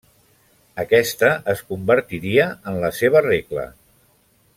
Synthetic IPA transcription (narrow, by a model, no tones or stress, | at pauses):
əkɛst̪əʔəskumbəɾt̪iɾiəənləseβ̞əreklə̰